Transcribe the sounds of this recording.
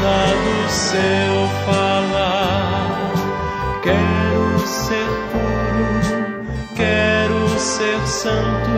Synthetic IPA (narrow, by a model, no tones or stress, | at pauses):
ad̪ʊsewfala | kɛɾʊseɾpuɾu | kɛɾʊseɾsɐ̃nt̪ʊ